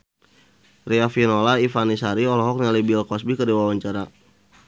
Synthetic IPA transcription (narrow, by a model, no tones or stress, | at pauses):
riafinolaifanisaɾiɔlɔɦɔk̚ɲalibilkɔsbikədiwawaɲt͡ʃaɾa